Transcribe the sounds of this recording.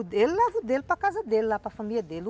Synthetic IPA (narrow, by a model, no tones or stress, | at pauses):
ud̪ellavud̪elpɐkazɐd̪elilapɾɐfamilʲɐd̪el